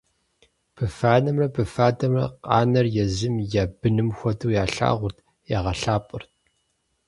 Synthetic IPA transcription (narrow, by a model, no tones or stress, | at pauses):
pʰɨfaːnɐmrɐpʰɨfaːdɐmrɐ̰qʼɑːnɐrjɛzɪmjaːbɨnɨmxʷɔdɨːjaːɬa̰ːʁʷʊrtʰ | jaːʁɐɬaːpʼɨrt̚ʰ